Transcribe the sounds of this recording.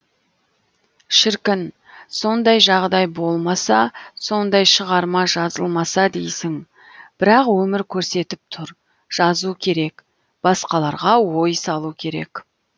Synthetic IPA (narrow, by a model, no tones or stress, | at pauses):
ʃɪɾkʲɪn | so̞nd̪ɑjʒɑʁd̪ɑjbo̞lˠmɑsɑso̞nd̪ɑjʃəʁɑɾmɑʒɑzəlˠmɑsɑd̪ḛjsɪŋ | b̥ɪɾɑqwɵmɪɾkʲʰɵɾse̞t̪ɪp̚t̪ʰʊɾ | ʒ̥ɑzukʲʰe̞ɾe̞k | b̥ɑsqɑlˠɑɾʁɑwo̞jsɑlˠukʲʰe̞ɾe̞̰k